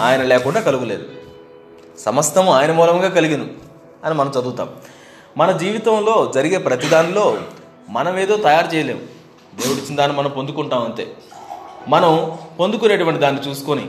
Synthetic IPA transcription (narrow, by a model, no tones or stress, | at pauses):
aːjɐnɐlɛːkuɳɖaːkɐluɡuleːd̪u | sɐmɐst̪ʰɐmuaːjɐnɐmuːlɐŋɡaːkɐliɡinu | ɐnimɐnɐmt͡ʃɐd̪uːt̪a̰ːm | mɐnɐd͡ʒiːʋit̪ɐmlo̞ːd͡ʒɐɾiɡe̞ːpɾɐt̪id̪aːnilo̞ː | mɐnɐmeːd̪o̞ːt̪ɐjaːɾt͡ʃɛːjɐle̞ːmu | d̪eːʋuɽit͡ʃːind̪aːnːimɐnɐmpond̪ukuɳʈaːmɐɳʈe̞̰ː | mɐnɐmpond̪uk̬uneʈuʋɐɳʈid̪aːnːit͡ʃuːsu̥konḭ